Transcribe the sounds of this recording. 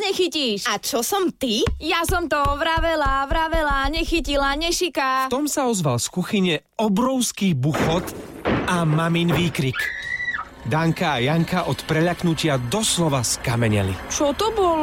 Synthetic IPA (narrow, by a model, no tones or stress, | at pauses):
ɲɛxiciːʃat͡ʃɔsɔmt̪ijasɔmt̪ɔʋɾaʋɛlaʋɾaʋɛlaɲɛxicilaɲɛʃikaft̪ɔmsaɔzʋalskuxiɲɛ | ɔbɾɔʊskiːbuxɔt̪ | amaminʋiːkɾik | d̪aŋkaːjaŋkaʔɔt̪pɾɛʎaknucɪad̪ɔslɔʋaskamɛɲɛ̰lḭt͡ʃɔt̪ɔbɔl